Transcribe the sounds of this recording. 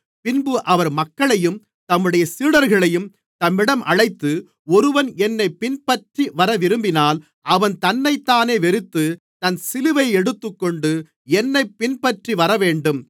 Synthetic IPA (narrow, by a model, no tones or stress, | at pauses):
pɪnbɯʔɐʋɐɾmɐkːɐɭɐjɯm | t̪ɐmːɯɽɐjɐsiːɽɐɾɣɐɭɐjɯm | t̪ɐmːɪɽɐmʔɐɭɐɪt̪ːɯ | ɔɾɯʋɐnɛnːɐɪpːɪnpɐʈriʋɐɾɐʋɪɾɯmbɪnaːl | ʔɐʋɐnt̪ɐnːɐɪt̪ːaːneːʋɛɾɯt̪ːɯ | t̪ɐnsɪlɯʋɐɪɛɽɯt̪ːɯkːɔɳɖɯ | ɛnːɐɪpːɪnpɐʈriʋɐɾɐʋeːɳɖɯm